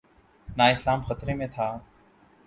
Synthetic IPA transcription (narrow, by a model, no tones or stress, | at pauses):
naːɪslaːmxət̪ɾeːmẽːt̪ʰaː